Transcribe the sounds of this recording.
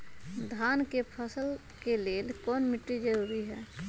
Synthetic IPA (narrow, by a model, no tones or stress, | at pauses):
d̪ʱaːnkepʰəsəl | keleːlkɔːnmɪʈːid͡ʒəɾuːɾiɦɛː